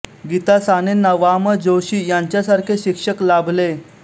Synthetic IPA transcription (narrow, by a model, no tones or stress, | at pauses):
ɡit̪asanenəʋaməd͡zoɕiːjaɲt͡ɕjasaɾkʰeɕikʂəklabʱle